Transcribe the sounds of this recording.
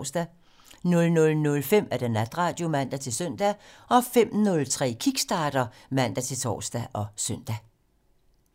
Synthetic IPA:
sd̥æ | nɔ̽lnɔlnɔ̽lfem̰æɐd̥enæd̥ʁɑ̰̈ːd̥jo̝mæn̰d̥æt͡sʰe̝lsœn̰d̥æʔɒ̽fem̰nɔ̽lt͡sʰʁɛ̰ːkʰiɡ̥sd̥ɑ̈ːd̥ɐ | mæn̰d̥æt͡sʰe̝lt͡sʰɒ̰ːsd̥æʔɒ̽sœn̰d̥æ

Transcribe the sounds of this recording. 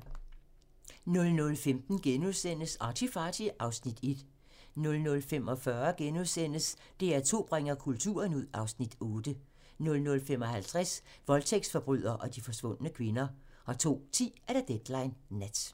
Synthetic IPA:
nɔ̽lnɔ̽lfemd̥n̩ɡ̥enuðˠsen̰əsɑ̈t͡sʰifɑ̈ːd̥iʔɑ̈ʊsnid̥e̝d̥ | nɔ̽lnɔ̽lfemɒ̽fɶɐɡ̥enuðˠsen̰əs | d̥e̝æɐt͡sʰo̝̰ːb̥ʁaŋ̰ɐkʰult͡sʰṵːɐnuð̞̰ˠɑ̈ʊsnid̥ɔ̽ːd̥ə | nɔ̽lnɔ̽lfemɒ̽hælt͡sʰʁas | ʋɒ̽lt͡sʰeɡ̥sfɒ̽b̥ʁyð̰ˠɐʔɒ̽d̥ifɒ̽sʋɔ̽n̰ənəkʰʋe̝nɐ | ɒ̽t͡sʰo̝̰ːt͡sʰḭːæɾ̥æd̥ed̥lɑ̈ɪnːæd̥

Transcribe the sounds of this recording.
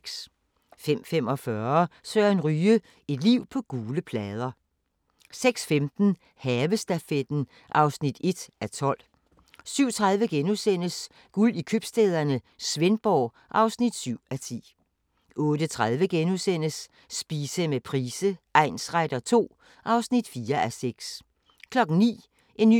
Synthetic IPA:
s | fem̰fem̰ɒ̽fɶɐsøɐenʁyːə | e̝d̥liʊ̰pʰɒ̽ɡ̥uːləpʰlɛːð̞ˠɐ | seɡ̥sfemd̥n̩ | hɛːʋəsd̥æfed̥n̩ | ʔɑ̈ʊsnid̥e̝d̥æt͡sʰɒ̽l̰ | syʊ̰t͡sʰʁað̞ˠʋəɡ̥enusen̰əs | ɡ̥ulikʰøb̥sd̥eːð̞ˠɐnə | sʋenb̥ɒ̰ː | ʔɑ̈ʊsnid̥syʊ̰æt͡sʰḭː | ʔɔ̽ːd̥ət͡sʰʁaðˠʋəɡ̥enusen̰əsː | b̥iːsəmepʰʁiːsəʔɑɪnsʁad̥ɐt͡sʰo̝̰ː | ʔɑ̈ʊsnid̥fiːɐʔæseɡ̥s | kʰlɒ̽ɡ̥n̩nḭː | ʔe̝nːy

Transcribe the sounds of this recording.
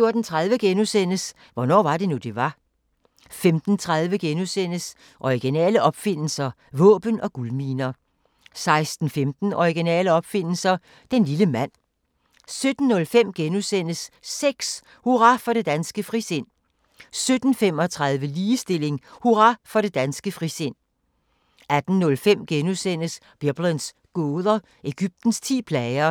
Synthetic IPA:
jo̝ɐd̥n̩t͡sʰʁɑðˠʋəɡ̥enusen̰əs | ʋɒnɒ̰ːʋɑ̈de̝nud̥e̝ʋɑ̈ | femd̥n̩t͡sʰʁɑ̈ðˠʋəɡ̥enusen̰əs | ʔɒiɡ̥inɛ̰ːləʔɒ̽b̥fe̝n̰l̩sɐ | ʋɔ̰̽ːb̥ənɒ̽ɡ̥ulmiːnɐ | sɑ̈ɪsd̥n̩femd̥n̩ɒiɡ̥inɛ̰ːləɒ̽b̥fe̝n̰l̩sɐ | d̥enliləmæn̰ | sød̥n̩ːɔ̽lfem̰ɡ̥enusen̰əsːeɡ̥s | huʁɑ̈fɒ̽ɾ̥e̝d̥ænsɡ̥əfʁise̝n̰ | sød̥n̩fem̰ɒ̽t͡sʰʁɑ̈ð̞ˠʋəliːsd̥e̝le̝ŋhuʁɑfɒ̽ɾ̥e̝d̥ænsɡ̥əfʁisen̰ | æd̥n̩nɔ̽lfem̰ɡ̥enusen̰əs | b̥eb̥ləns | ɡ̥ɔːðˠɐ | e̝ɡ̥yb̥̚d̥n̩st͡sʰḭːpʰlɛɪɐ

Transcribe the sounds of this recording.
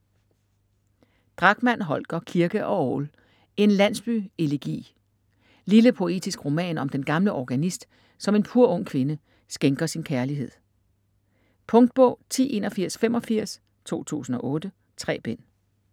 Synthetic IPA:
d̥ʁɑ̈ɡ̥mæn̰ɦɒ̽lɡ̥ɐkʰiɐɡ̥əʔɒ̽ɒːl | e̝nlæn̰sb̥yːe̝leɡ̥ḭː | liləpʰo̝e̝̰ːd̥isɡ̥ʁo̝mɛ̰ːnɒ̽md̥enɡ̥ɑ̈mləʔɒɡ̥ænisd̥ | sɒ̽me̝npʰuɐ̰ɔ̽ŋ̰kʰʋe̝nə | sɡ̥eŋɡ̥ɐsinkʰæɐliɦe̝ð̞̰ˠ | pʰɔ̽ŋd̥̚b̥ɔ̰̽ʊ̰t͡sʰḭːʔe̝̰ːnɒfiɐ̰sfem̰ɒ̽fiɐ̰s | t͡sʰo̝̰ːt͡sʰṵːsn̩ɒ̽ʔɔ̽ːd̥ə | t͡sʰʁɛ̰ːb̥en̰

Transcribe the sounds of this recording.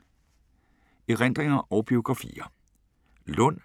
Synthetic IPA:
eʁen̰d̥ʁeŋɐʔɒʊb̥io̝ɡ̥ʁɑ̈fḭːɐ | lɔ̽n̰

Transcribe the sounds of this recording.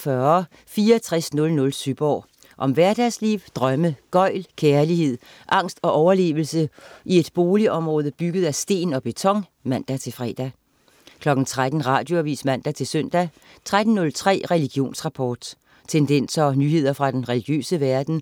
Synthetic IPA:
fɶɐ | fiːɐɒt͡sʰʁɛsnɔ̽lnɔ̽lsyb̥ɒ̰ː | ʔɒ̽mʋæɐd̥æsliːʊd̥ʁɶməɡ̥ɒ̽ɪ̰lkʰeɐliɦe̝ð̞̰ˠ | ʔɑ̈ŋ̰sd̥ɒ̽ʔɒʊɐle̝̰ːʋl̩səʔie̝d̥b̥o̝ːliʔɒ̽mʁɔ̽ːð̞ˠəb̥yɡ̥əð̞̩ˠæsd̥e̝̰ːnɒ̽b̥e̝t͡sʰɒ̽ŋ | mæn̰d̥æt͡sʰe̝fʁɛ̰ːd̥æ | kʰlɒ̽ɡ̥n̩t͡sʰʁad̥n̩ʁɑ̈ːd̥jo̝æʋḭːsmæn̰d̥æt͡sʰe̝lsøn̰d̥æ | t͡sʰʁad̥n̩nːɔ̽lt͡sʰʁɛ̰ːʁɛliɡ̥jo̝̰ːnsʁɑ̈pʰɒːd̥ | t͡sʰend̥en̰sɒɒ̽nyːɦe̝ð̰ˠɐfʁɑ̈d̥enʁɛliɡ̥jø̰ːsəʋæɐd̥n̩

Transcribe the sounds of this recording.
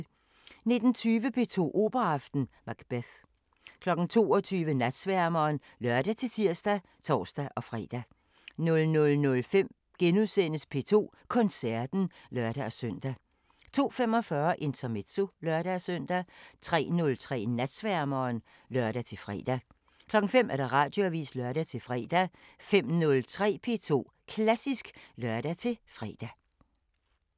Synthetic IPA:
ne̝d̥n̩t͡sʰyːʋəpʰe̝ːt͡sʰo̝̰ːʔo̝̰ːb̥ɐɑfd̥n̩mɑ̈ɡ̥b̥eθ | kʰlɒ̽ɡ̥n̩t͡sʰo̝̰ːɒ̽t͡sʰyːʋənæd̥sʋæɐmɐːn | lɶɐd̥æt͡sʰe̝lsʰiɐ̰sd̥æ | t͡sʰɒ̰ːsd̥æʔɒ̽fʁɛ̰d̥æ | nɔ̽lnɔ̽lnɔ̽lfem̰ | ɡ̥enuðˠsen̰əspʰe̝ːt͡sʰo̝̰ː | kʰɒ̽nsæɐd̥n̩lɶɐd̥æɒsœn̰d̥æ | t͡sʰo̝̰ːfem̰ɒ̽fɶːɐʔe̝nt͡sʰɐme̝d̥so̝lɶɐɾ̥æsøn̰d̥æt͡sʰʁɛ̰ːnɔ̽lt͡sʰʁɛ̰ːnæd̥sʋæɐmɐːn | lœɐ̰ɾ̥æt͡sʰe̝lfʁɛ̰d̥æ | kʰlɒ̽ɡ̥ŋ̩fem̰ʔæɐɾ̥ɑ̈ʁɑ̈ːd̥joæʋḭːslœɐɾ̥æt͡sʰe̝lfʁɛːd̥æ | fem̰nɔ̽lt͡sʰʁɛ̰ːpʰe̝ːt͡sʰo̝̰ː | kʰlæsisɡ̥lœɐd̥æt͡sʰe̝fʁɛ̰ːd̥æ

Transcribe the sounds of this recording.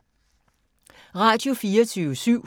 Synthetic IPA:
ʁɑ̈ːd̥jo̝fiːɐt͡sʰyːʊəsyʊ̰

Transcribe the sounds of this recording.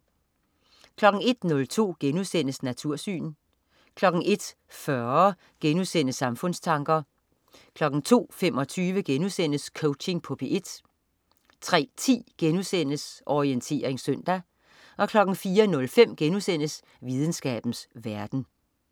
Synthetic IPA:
kʰlɒ̽ɡ̥n̩e̝d̥nɔ̽lt͡sʰo̝̰ːɡ̥enusen̰əsnæt͡sʰuɐ̰sy̰ːn | kʰlɒ̽ɡ̥ŋ̩ʔe̝d̥ | fɶɐ | ɡ̥enusen̰əsɑ̈mfɔ̽n̰st͡sʰɑ̈ŋɡ̥ɐ | kʰlɒ̽ɡ̥n̩t͡sʰo̝̰ːfem̰ɒ̽t͡sʰyːʋəɡ̥enusen̰əskʰɔʊt͡ɕe̝ŋpʰopʰiʔe̝d̥ | t͡sʰʁɛ̰ːt͡sʰḭːɡ̥enusen̰əsʔɒient͡sʰe̝̰ːɐʁeŋsøn̰d̥æ | ɒ̽kʰlɒ̽ɡ̥n̩fiːɐnɔ̽lfem̰ɡ̥enusen̰əs | ʋið̞ˠən̩sɡ̥ɛ̰ːb̥n̩sʋæɐd̥n̩

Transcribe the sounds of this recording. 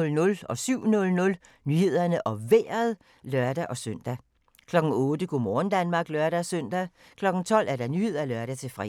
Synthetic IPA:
lnɔ̽lɒ̽syʊ̰nɔ̽lnɔ̽l | nyːhe̝ð̰ˠɐnəʔɒ̽ʋeɐð̞̩ˠ | lɶɐd̥æʔɒ̽søn̰d̥æ | kʰlɒ̽ɡ̥ŋ̩ɔ̽ːd̥əkʰumɒːn̩d̥ænmɑ̈ːɡ̥lɶɐɾæsøn̰d̥æ | kʰlɒ̽ɡ̥n̩t͡sʰɒ̽l̰ʔæɐdɑ̈nyːhe̝ð̰ˠɐælœɐɾ̥æt͡sʰe̝fʁɛ̰

